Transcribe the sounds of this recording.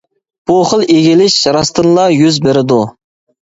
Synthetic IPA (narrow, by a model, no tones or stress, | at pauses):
b̥uχəlˠeɡʲilɪʃɾɑst̪ʰɨnlˠɑjyzbeɾɪd̪u